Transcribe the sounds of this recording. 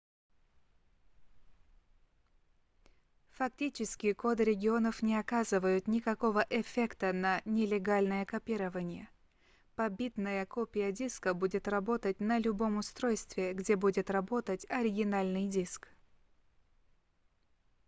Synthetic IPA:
fɐk̚tʲit͡ɕɪskʲɪkod̪ɾʲɪɡʲɪo̞nəfnʲɪɐkazɨvəjʊt̪nʲɪkɐko̞vəʔɛfʲekt̪ənɐnʲɪlʲɪɡalʲnəjəkɐpʲiɾəvənʲɪjə | pɐbʲit̪nəjəkopʲɪjədʲiskəbudʲɪt̪rɐbo̞t̪ətʲnəlʲʊbo̞mʊst̪ɾojst̪vʲɪɡdʲebudʲɪt̪rɐbo̞t̪ətʲɐɾʲɪɡʲɪnalʲnɨjdʲisk

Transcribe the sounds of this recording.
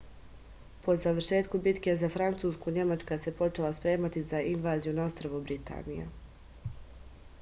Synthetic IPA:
po̞zaʋərʃe̞ːt̪kubit̪ke̞zafɾant̪suːskuɲe̞mat͡ʃkase̞po̞t͡ʃe̞laspɾe̞ːmat̪izainʋaːzijunaost̪ɾaʋubɾit̪a̰ːnija̰

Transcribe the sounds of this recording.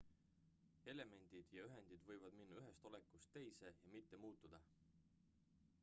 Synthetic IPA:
e̞le̞me̞nʲd̪̥id̪̥jɑyɦe̞nd̪̥id̪̥vɤjvɑd̪̥minːɑyɦe̞st̪o̞le̞kːˑust̪ːe̞jse̞jɑmit̪ːe̞muːt̪ːˑud̪̥ɑ

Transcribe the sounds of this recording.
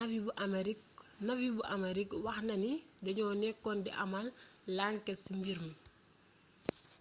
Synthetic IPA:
ɐfibuʔɐmeɾiknɐfibuʔɐmɐɾikwɐxnɐnidɐɲɔːnɛkːɔndiʔɐmɐlːaŋkɛsimbiɾmu

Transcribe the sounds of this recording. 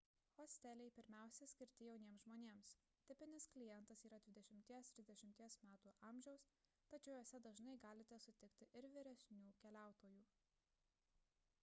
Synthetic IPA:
xoːsʲt̪ʲɛlʲɛɪpʲɪɾʲmʲæˑʊsʲɛsʲkʲɪɾʲt̪ʲɪjɛʊnʲiɛmsʒmoːnʲeːms | t̪ʲɪpʲɪnʲɪsklʲɪjɛnˑt̪ɐsiːɾɐd̪ʲʋʲɪd̪ʲɛʃʲɪmʲt̪ʲiɛst̪ʲɾʲɪzd̪ɛʃʲɪmʲt̪ʲiɛsmʲæːt̪uːʔɐmʲʒʲɛʊs | t̪ɐt͡ʃʲɛʊjoːsʲɛd̪ɐʒnɐɪɡɑːlʲɪt̪ʲɛsʊt̪ʲɪkt̪ʲɪʔɪɾʋʲɪɾʲɛsʲnʲuːkʲɛlʲæˑʊt̪oːjuː

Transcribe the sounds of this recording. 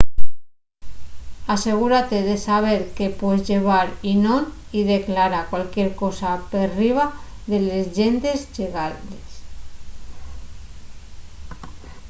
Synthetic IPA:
ase̞ɣ̞uɾat̪eðesaβ̞eɾkepwezʝeβ̞aɾinõn | iðeklaɾakwalkjeɾkosaperiβ̞a | ðelezʒent̪ezʝeɣaes

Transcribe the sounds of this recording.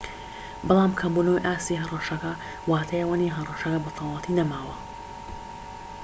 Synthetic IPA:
bɑlˠaːmkʰɐmbunowjʔaːst̪iɦɐrˤɑʃɐkɐ | waːt̪ʰɐjɐwaniɦɐrˤɑʃɐkɐbɐt̪ʰɑwlɑt̪ʰinɐmaːwɐ

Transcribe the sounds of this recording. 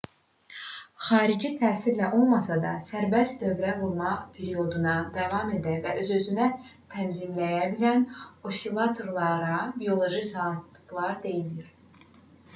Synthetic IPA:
χɑːɾid͡ʒit̪ʰæːsiɾlæʔo̞lˠmɑsɑd̪ɑ̰sæɾbæst̪d̪ø̞vɾævuɾˠmɑpʰe̞ɾio̞d̪unɑd̪ɑvɑme̞d̪ævæʔø̞zø̞zynæt̪ʰæmzimlæjæbilæno̞sʲilˠɑt̪ʰoɾlˠɑɾɑbio̞lˠo̞ʒisɑt̪ɯklˠɑɾd̪e̞jiliɾ

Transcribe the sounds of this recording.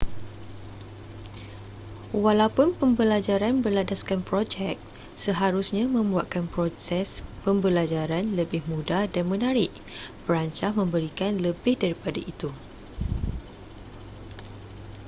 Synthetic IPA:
walawpʊnpəmbəlad͡ʒaɾanbərladaskanpɾod͡ʒɛk̚ | səɦaɾusɲãmə̃mbuat̪̚kanpɾosɛspəmbəlad͡ʒaɾanləbɪhmũdadanmə̃naɾɪʔ | b̥əɾaɲt͡ʃahmə̃mbəɾikanləbɪhdaɾipadait̪u

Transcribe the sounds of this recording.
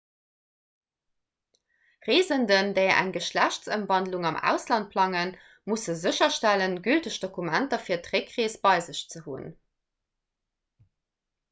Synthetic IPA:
ʁeːzəndəndəɪɐʔæ̰ŋɡəʃlæɕtt͡səmvɑndluŋɑmʔæ̰ʊslɑnt̚pʰlɑŋən | musəzəɕɐʃtælənɡyltəɕd̥okumæntɐfiːɐtʁekʁeːsb̥ɑɪzəɕt͡səhṵn

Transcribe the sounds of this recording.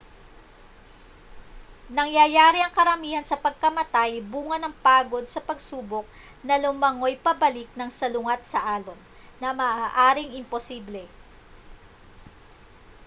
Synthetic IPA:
nɐŋjɐjaːɾiɐŋkɐɾɐmiːhɐnsɐpɐɡ̚kɐmɐt̪ajbuːŋɐnɐŋpaːɡo̞d̪̚sɐpɐɡsuːbok̚ | nɐlʊmɐŋo̞jpɐbɐlɪk̚nɐŋsɐlʊŋat̪̚sɐʔaːlon | nɐmɐːʔaʔaːɾɪŋɪmposiːblɛ

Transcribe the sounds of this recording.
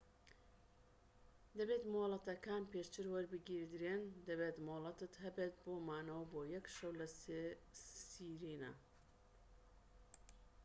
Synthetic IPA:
d̪ɐbeːt̪moːlˠɐt̪ɐkaːnpeːʃt͡ʃɨɾwɐɾbɨɡiɾd̪ɾeːnd̪ɐbeːt̪molˠɐt̪ɨt̪ɦɐbet̪̚boːmaːnɐwɐboːjɐkʃɐwlɐsesiːɾinɐ̰

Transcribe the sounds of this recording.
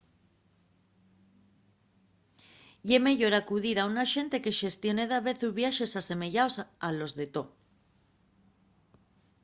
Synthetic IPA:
jeme̞ʝo̞ɾakuðiɾaunaʃe̞nt̪e̞ke̞ʃe̞st̪jone̞ðaβe̞θuβjaʃe̞sase̞me̞ʝaosalo̞zðe̞t̪o

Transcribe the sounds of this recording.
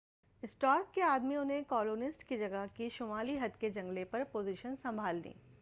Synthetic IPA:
ɪsʈɔːɾkːeaːd̪miʊnɦẽkɔːloːnɪsʈkid͡ʒɐɡəɦkiʃʊmaːliɦɐd̪ked͡ʒɐ̃ŋɡlepɐɾpoːziʃənsɐ̃mbʱaːldḭː

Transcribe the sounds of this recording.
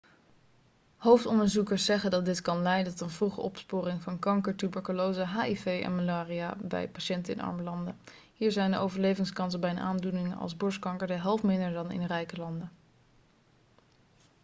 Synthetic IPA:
howftɔndəɹzukəɹsɛχəndɑt̚dɪtkɑnlɛjdəntɔtənvruχə̰ʔɔpspʊːrɪŋvɑnkɑŋkəɹtybɛɹkulowzəɦaːifejɛ̰nmalaːriaːbɛ̰jpaʃɛntəɪ̰nʔɑ̰ɹməlɑndə | hiːɹzɛjndəʔowvəɹlejvɪŋskɑns̬əbɛjənʔa̰ːndunɪŋənʔɑ̰lˠzbɔɹskɑŋkəɹdəɦɛlˠfmɪndəɹdɑnɪ̰nrɛjkəlɑndə

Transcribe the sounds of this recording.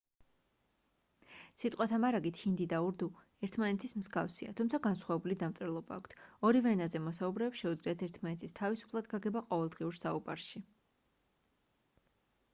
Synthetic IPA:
sit̪ʼqʼwat̪ʰamaɾaɡit̪ʰhind̪id̪auɾd̪u | ɛɾt̪ʰmanɛt̪ʰismzɡafsia̰t̪ʰumt̪sʰaɡansχwavɛbulid̪amt̪sʼɛɾlˠɔba̰ːkʷʰt̪ʰɔɾivɛnazɛmɔsaubɾɛpsʃɛud̪zliat̪ʰɛɾt̪ʰmanɛt̪ʰist̪ʰavisu̥pʰlˠad̪ɡaɡɛbaqʼɔvɛlˠd̪ʁiuɾsauba̰ɾʃi

